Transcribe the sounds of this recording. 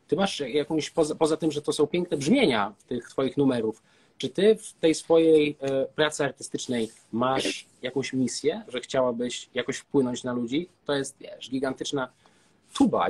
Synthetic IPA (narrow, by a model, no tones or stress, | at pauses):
t̪ɘmaʂajakɔ̃w̃ɕpɔzapɔzat̪ɘmʐɛt̪ɔsɔ̃w̃pʲɛ̃ŋk̚nɛbʐmʲjeɲaft̪ɘxt̪fɔjixnumɛɾuf | t͡ʂɘt̪ɘft̪ɛjsfɔjejpɾat̪sɘaɾt̪ɘ̥st̪ɘt͡ʂnɛj | maʂ | jakɔ̃w̃ɕmʲisʲjɛʐɛxt͡ɕawabɘɕjakɔɕfpwɘnɔɲt͡ɕnalud͡ʑit̪ɔjɛst̪vʲjɛ̰ʂɡʲiɡant̪ɘt͡ʂna | t̪ʰuba̰